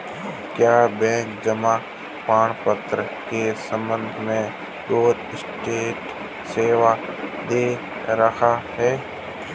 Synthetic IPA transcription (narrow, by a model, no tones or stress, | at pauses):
kjaːbɛ̃ːŋkd͡ʒəmãː | paːɳ̃pət̪ɾə | keːsə̃mənd̪ʱmẽː | ɗoːd̪ɪsʈeːʈ | seːʋad̪eː | ɾəkʰahɛː